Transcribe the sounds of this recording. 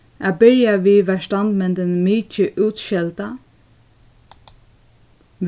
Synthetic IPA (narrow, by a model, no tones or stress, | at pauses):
ʔabɪɹjaʋiːʋæʃt̪and̪mɛnt̪ɪnmiːt͡ʃəʔuːt̪ʃɛlt̪a | ʋ